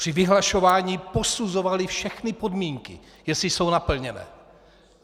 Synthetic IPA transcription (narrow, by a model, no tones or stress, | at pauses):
pr̥ɪvɪɦlaʃo̞vaːɲipo̞suzo̞valɪfʃɛxnɪpo̞dmiːŋkɪ̰ | jɛsɪso̞wnapl̩ɲɛnɛ̰ː